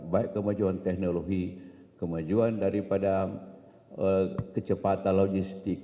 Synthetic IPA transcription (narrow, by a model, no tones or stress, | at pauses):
baɛkkːəmad͡ʒuant̪ɛk̚noloɡi | kəmad͡ʒuandaɾipada | əkət͡ʃəpat̪anloɡist̪ik